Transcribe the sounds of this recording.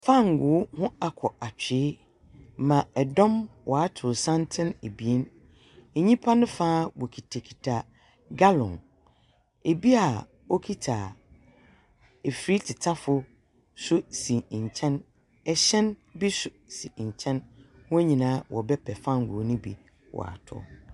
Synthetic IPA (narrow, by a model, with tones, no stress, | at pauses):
fã˦˨ŋɡʊː˨˦hʊ̃˦a˨kʰɔ˨a˨t͡ɕᶣɪ˨˦ | mã˨ɛ˨dɔ̃˦mwʔɔ˨a˦tʰʊ˨sã˦ntʰɪ̃˦ne˨bi˨e˦n | e˨ɲĩ˦pʰa˦nʊ̃˦faː˦wɔ˨kʰi˨tʰa˨kʰi˨tʰa˨ | ɡa˦lɔ̰̃˨n | e˨bi˦a˨ | wo˦kʰi˦tʰa˨ | e˨fɾi˦tʰɪ˨tʰa˦fʊ˦ | sʊ˦si˨ɲ̩˨t͡ɕʰɛ̃˦n | ɛ˨ɕɛ̃˦nbi˦sʊ˨si˨ɲ̩˨t͡ɕʰɛ̃˦n | wɔ̃˦ɲĩ˨nãː˦wʔɔ̰˨bɛ˦pʰɛ˨fã˦ŋ̩˨ɡṵ˨˦nʊ̃˦bḭ˨ | wɔ̰˨a̰˨tʰʊ̰˨